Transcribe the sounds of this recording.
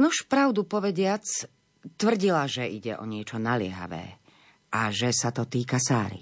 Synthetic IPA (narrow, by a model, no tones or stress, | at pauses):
nuʃpɾaʊd̪upɔʋɛɟɪat͡s | t̪ʋr̩ɟilaʒɛiɟɛ̰ʔɔ̰ɲɪɛt͡ʃɔnalɪɛ̰ɦa̰ʋɛ̰ː | ʔaʒɛsat̪ɔt̪iːkasaːɾḭ